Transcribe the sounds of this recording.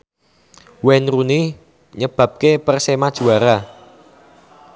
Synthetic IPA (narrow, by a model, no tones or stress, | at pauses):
wɛnruni | ɲəb̥ä̤p̚kepərsemad̥ʒ̥ṳaɾa